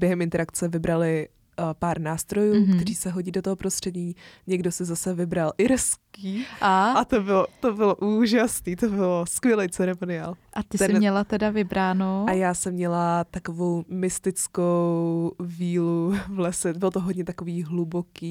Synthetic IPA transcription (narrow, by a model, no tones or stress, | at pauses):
bjɛɦɛmɪnt̪ɛɾakt͡sɛvɪbɾalɪ | paɾnaːst̪ɾo̞juːkt̪ɛɾiːsɛɦoɟiːdot̪oɦopɾo̞st̪r̝̥ɛdɲiːɲɛɡdo̞sɪzasɛvɪbɾalʔɪɾskiːaat̪obɪlot̪obɪloʔuːʒasniːt̪obɪloskvjɛlɛjt͡sɛɾɛmonɪa̰ːlʔat̪ɪst̪ɛsɪnɲɛlat̪ɛdavɪbɾaːnoajaːsɛmːɲɛlat̪akovo̞wmɪst̪ɪt͡skowviːluvlɛsɛbɪlot̪oɦodɲɛt̪akoviːɦlubo̞kiː